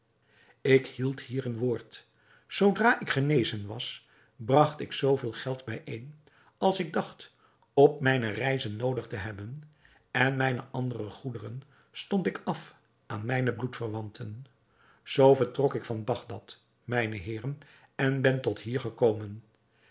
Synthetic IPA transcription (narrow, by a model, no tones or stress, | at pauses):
ɪkhilˠthiːrənʋʊːɹt | sowdraːʔɪkχənejzənʋɑ̰s | brɑχtɪksowvɪːlˠχɛlˠtbɛjʔejn | ɑlˠsɪɡ̚dɑχt | ɔp̚mɛjnərɛjzənːowdəχtəɦɛbən | ɛnmɛjnəʔɑndərrəχudərən | stɔntɪkɑf | ʔaːnmɛjnəblutfəɹʋɑntʰən | z̥owvəɹtrɔkɪkfɑnbɑχdɑt | mɛjnəɦɪːrən | ɛnbɛntɔtɦiːɹχəkowmən